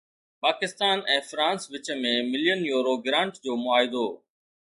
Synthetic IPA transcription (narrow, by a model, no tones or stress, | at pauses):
paːkɪst̪aːnɛ̃ːfɾãːnsʋɪt͡ɕə̆mẽmɪlijənjoːɾoɡɾãːɳʈd͡ʑoːmʊaːɦɪd̪oː